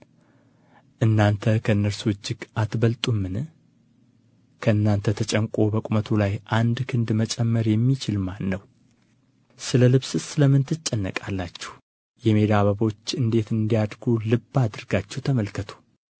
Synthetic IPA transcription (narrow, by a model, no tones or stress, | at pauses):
ʔɨnːant̪ʰəkʰəɨnːəɾsuwɨd͡ʒːɪɡat̪bəlt̪ʼumːɨnɨ | kʰəɨnːant̪ʰət̪ʰət͡ʃʼɛŋkʼo̞bəkʼumət̪ʰulajʔand̪kʰɨnd̪mət͡ʃʼɛmːəɾjɛmːit͡ʃɪlmanːəw | sɨləlɨβsɨsɨləmɨnt̪ʰɨt͡ʃʼːɛnːə̰kʼalːat͡ʃːɛ̥h | jɛme̞d̪aβəβo̞t͡ʃːɨnd̪e̞t̪ɨnd̪ijad̪ɡulɨbːad̪ɨɾɡat͡ʃːɛwt̪ʰəməlkət̪ʰu̥